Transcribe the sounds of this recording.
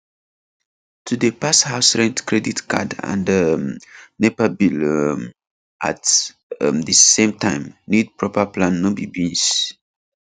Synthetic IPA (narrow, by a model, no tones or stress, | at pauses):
tʰudəpashaʊsɹɛ̃ntkɹɛditka̰dã̰ndə | nepabilm | ʔa̰t | dəsẽmtãɪ̃mnid̚pɹɔpəplãnːobibĩns